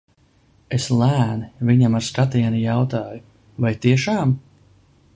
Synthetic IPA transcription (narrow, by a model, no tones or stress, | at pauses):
eslˠæːnviɲamaɾskat̪iɛnujawt̪aːju | vajt̪iɛʃaːm